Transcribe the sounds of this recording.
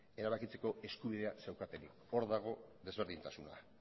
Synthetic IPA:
e̞ɾaβakit͡se̞ko̞ʔe̞skuβ̞iðe̞ase̞wkat̪enik | o̞ɾðaɣ̞o̞ðe̞zβ̞e̞ɾð̞int̪asuna̰

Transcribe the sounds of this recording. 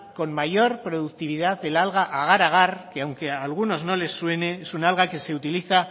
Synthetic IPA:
ko̞nmaʝo̞ɾpɾo̞ðuk̚t̪iβ̞ið̞aððe̞lalɣ̞aʔaɣ̞aɾaɣ̞aɾkeawŋke̞alɣ̞uno̞zno̞le̞sːwe̞ne̞esunalɣake̞se̞ut̪iliθa

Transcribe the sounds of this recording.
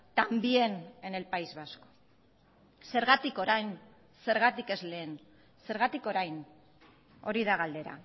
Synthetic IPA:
t̪ambie̞nene̞lpajzβasko̥ | se̞ɾɣat̪iko̞ɾajn | se̞ɾɣat̪ike̞zle̞ːn | se̞ɾɣat̪iko̞ɾajn | o̞̰ɾiðaɣald̪e̞ɾa̰

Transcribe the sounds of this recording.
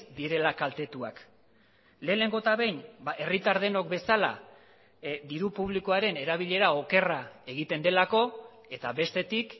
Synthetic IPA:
d̪iɾe̞lakalt̪e̞t̪ua̰k | le̞ːne̞ŋɡo̞t̪aβejnbaʔe̞rit̪aɾð̞e̞no̞kbe̞sala̰ | d̪iɾupuβ̞liko̞aɾe̞ne̞ɾaβiʎe̞ɾao̞ke̞rae̞ɣit̪e̞nd̪e̞lako̞ | e̞t̪aβe̞st̪e̞t̪ik

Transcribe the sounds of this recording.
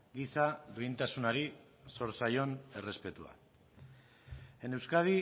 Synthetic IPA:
ɡisaðuint̪asunaɾi | so̞ɾsajo̞ne̞re̞spe̞t̪ua̰ | e̞ne̞wskað̞i

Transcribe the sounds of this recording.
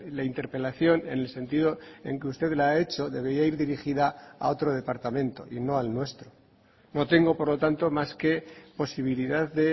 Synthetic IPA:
laint̪e̞ɾpe̞laθjo̞ne̞nelse̞nt̪iðo̞e̞ŋkeust̪e̞ðlaae̞t͡ʃo̞ðe̞βe̞ɾiaiɾðiɾixiðaa̰o̞t̪ɾo̞ð̞e̞paɾt̪amẽ̞nt̪o̞̰ʔino̞alnwe̞st̪ɾo | no̞t̪e̞ŋɡo̞po̞ɾlo̞t̪ant̪o̞maske̞po̞siβ̞iliðaððe̞

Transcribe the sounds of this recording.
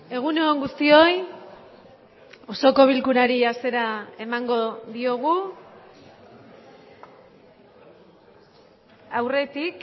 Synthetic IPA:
e̞ɣ̞unooŋɡust̪io̞j | o̞so̞ko̞β̞ilkuɾaɾiase̞ɾae̞maŋɡo̞ðio̞ɣ̞u | awre̞t̪ik

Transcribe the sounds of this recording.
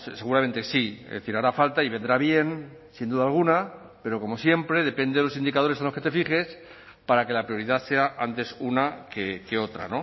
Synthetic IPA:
sse̞ɣuɾament̪esḭzðeθiɾaɾafalt̪aiβe̞nd̪ɾaβje̞n | sind̪uðalɣ̞una | pe̞ɾo̞ko̞mo̞sje̞mpɾe̞ðe̞pe̞nd̪eðelosind̪ikað̞o̞ɾesalo̞sket̪e̞fiχe̞s | paɾake̞lapɾio̞ɾiðase̞aʔant̪e̞sunakeke̞o̞t̪ɾa̰no̞

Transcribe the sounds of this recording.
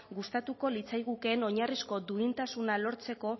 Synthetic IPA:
ɡust̪at̪uko̞lit͡sajɣuke̞ːno̞ɲarisko̞d̪uint̪asunalo̞ɾt͡se̞ko̞

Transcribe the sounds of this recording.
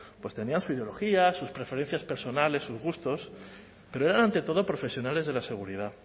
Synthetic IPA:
pwe̞st̪e̞niansuiðeo̞lo̞xiasuspɾe̞fe̞ɾe̞n̟θjaspe̞ɾso̞nale̞sːuzɣust̪o̞s | peɾoe̞ɾanãnt̪e̞t̪o̞ð̞o̞pɾo̞fe̞sjo̞nale̞zð̞e̞lase̞ɣ̞uɾið̞a

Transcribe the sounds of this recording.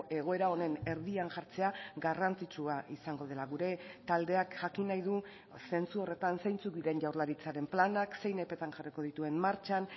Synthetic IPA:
e̞ɣ̞o̞e̞ɾao̞ne̞ne̞ɾðiaŋʝaɾt͡se̞aɡarant͡sit͡ʃuaʔisaŋɡo̞ð̞e̞laɣuɾe̞t̪ald̪e̞akʝakinajðu | se̞nt͡suo̞re̞t̪ansejnt͡suk̚d̪iðe̞nʝawɾlaɾit͡saɾe̞mplanakse̞jne̞pe̞t̪aŋʝariko̞ð̞it̪ue̞mmaɾt͡ʃan

